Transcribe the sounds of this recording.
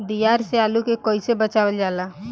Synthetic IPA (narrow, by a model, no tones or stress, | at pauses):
d̪ijaɾsealukekɔisebət͡ʃaʋəld͡ʒala